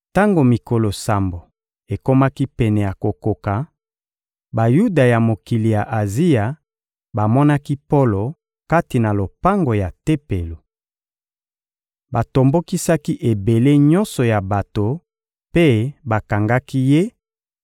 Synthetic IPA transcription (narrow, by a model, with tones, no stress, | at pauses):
ta˦ŋɡo˨mi˨ko˨lo˨sa˨mbo˨ | e˨ko˦ma˦ki˦pɛ˨nɛ˨ja˨ko˨ko˨ka˨ | ba˨ju˦da˨ja˨mo˨ki˨li˨ja˨ʔa˨zi˦ja˨ | ba˨mɔ˦na˦ki˦po˦lo˨ | ka˦ti˨na˨lo˨pa˦ŋɡo˨ja˨te˦pe˨lo˨ | ba˨to˨mbo˦ki˦sa˦ki˦ʔe˨be˨le˦ɲɔ˦nsɔ˨ja˨ba˨to˨ | pe˦ba˨ka˨ŋɡa˦ki˦je˦